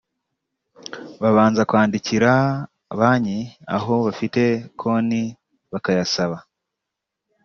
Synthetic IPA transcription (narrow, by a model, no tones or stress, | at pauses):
βaβaːnzakwaːndiciɾa | βaːɲia̰ɦo̞βafite̞kʰo̞ni | βakajasaβa